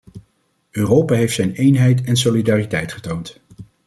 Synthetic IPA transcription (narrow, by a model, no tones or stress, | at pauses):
øːrowpaːɦejftsɛjnejnɦɛjtɛnsolidaːritɛjtχə̥townt